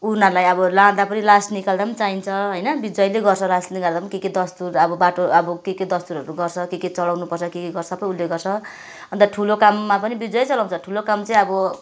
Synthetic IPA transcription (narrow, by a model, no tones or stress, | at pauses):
unalajʌbʌlãd̪apʌnilasnikald̪apʌnt͡saɦint͡sʰʌɦʌjnʌbid͡zʌjleɡʌrt͡sʰʌlasiɡʌrd̪apʌnikeked̪ʌst̪uɾʌbʌbaʈoʌbʌkeked̪ʌst̪uɾʌɾuɡʌrt͡sʰʌkeket͡sʌlawnupʌrt͡sʰʌkekeɡʌrsʌpʌj̃ulːeɡʌrt͡sʰʌ | ʌnt̪ʌʈʰulokamːapʌnibid͡zʌjt͡sʌlaw̃nt͡sʰʌʈʰulokamt͡sʌĩʌbʌ